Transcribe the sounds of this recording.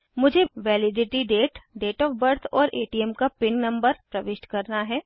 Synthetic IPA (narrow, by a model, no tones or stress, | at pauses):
mʊd͡ʒʱeʋɛːlɪɖɪʈiɖeːʈɖeːʈɔːfbɐɾt̪ʰɔːɾʔḛːʈiɛmkapɪnnɐ̃mbəɾpɾɐʋɪʃʈkɐɾnaɦɛː